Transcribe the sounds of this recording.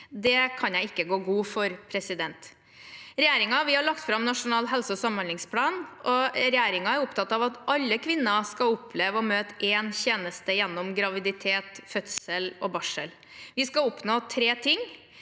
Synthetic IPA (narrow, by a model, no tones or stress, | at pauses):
d̪ɛkʰɑnjæɪɪkːəɡoːɡuːfɔɾpʰɾɛsɪd̪ɛnt̪ | ɾɛjæːɾɪŋɑʋɪhɑɭɑkt̪fɾɑmnɑʂʊnɑːlɦɛlsəɔsɑmɑnlɪŋspʰlɑːnʔɔɾɛjæːɾɪŋɑæɾʊpt̪ʰɑt̪ːɑʋɑt̪ʔɑlːəkʰʋɪnːɑskɑʊpʰleːʋəɔmøːt̪ʔɛːnçeːnəst̪əjɛnːɔmɡɾɑʋɪd̪ɪt̪ʰeːt̪fœt̪səlɔbɑʂəl | ʋɪskɑʊpnoːt̪ʰɾeːt̪ʰɪŋː